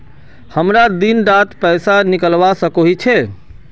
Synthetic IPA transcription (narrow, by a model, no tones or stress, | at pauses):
həmɾad̪inɾat̪pɛjsanikəlʋasəkoɦit͡ʃʰɛ